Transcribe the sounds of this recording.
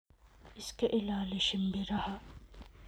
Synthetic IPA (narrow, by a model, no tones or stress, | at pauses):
ɪskeʔɪlaːleʃɪmbʱiɾɐɦa